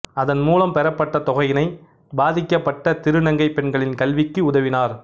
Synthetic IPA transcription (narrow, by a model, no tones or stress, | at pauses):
ɐðɐnmuːlɐmpɛɾɐpːɐʈːɐt̪ɔɣɐjɪnɐɪ | baːðɪkːɐpːɐʈːɐt̪ɪɾɯnɐŋɡɐɪpːɛɳɡɐɭɪnkɐlʋɪkːɯʊðɐʋɪnaːɾ